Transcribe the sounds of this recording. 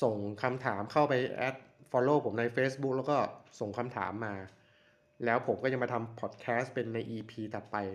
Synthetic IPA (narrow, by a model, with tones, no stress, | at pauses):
so˨˩ŋkʰa˧mt̪ʰaː˩˦mkʰa˥˩wpa˧jʔɛ̰ː˦˥t̪̚fɔː˧loː˧˩pʰo˩˦mna˧jfeː˦˥sbu˦˥k̚lɛ˦˥wkɔː˥˩so˨˩ŋkʰa˧mt̪ʰa̰ː˩˦mːaː˧ | lɛː˦˥wpʰo˩˦mkɔː˥˩a˧ma˧t̪ʰa˧mpʰɔː˨˩t̪̚kʰɛː˦˥st̪̚pe˧nːa˧jʔiː˧pʰiː˧t̪ɔː˨˩pa˧j